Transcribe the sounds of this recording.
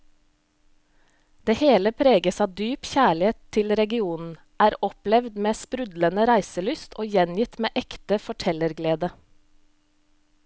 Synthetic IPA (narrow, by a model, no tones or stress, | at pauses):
d̪̥eːheːləpʰɾeːɡəsɑːd̪yːpçæːɭɪeːt̪ʰːɪlɾɛɡɪuːnn̩ | ʔæːɾɔplɛʋd̪meːspɾʉd̪lənəɾæɪsəlʏst̪ʰoːjɛnjɪt̪meːʔɛkt̪əfɔʈʰɛləɾɡleːd̪ə